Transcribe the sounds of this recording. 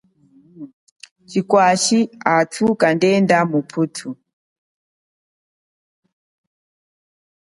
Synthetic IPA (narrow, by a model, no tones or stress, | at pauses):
t͡ʃikwaʃiatʰukandɛndamupʰutʰu